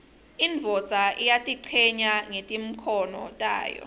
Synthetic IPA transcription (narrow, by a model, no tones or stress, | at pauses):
iɱvʱɔt͡sʼaʔijatʼiǀʰɛɲaŋetʼim̩kʰɔnɔ̰tʼa̰ːjɔ̰